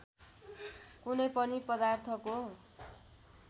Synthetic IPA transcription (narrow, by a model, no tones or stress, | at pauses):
kunʌjpʌnipʌd̪art̪ʰʌko